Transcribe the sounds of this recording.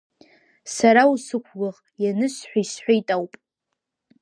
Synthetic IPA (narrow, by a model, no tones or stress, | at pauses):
saɾausɨkʷʰɡaʁʼjanɨʃħʷaisħʷajtʼawpʼ